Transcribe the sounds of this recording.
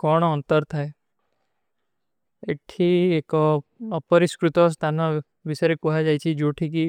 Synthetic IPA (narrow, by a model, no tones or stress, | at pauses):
kɔɳ̃ɔnt̪əɾt̪ʰae | eʈʰiekɔɔpəɾiskɾut̪ɔst̪ʰanɔ | ʋisɔɾekuɦad͡ʒajt͡ʃʰid͡ʒoʈʰik̬i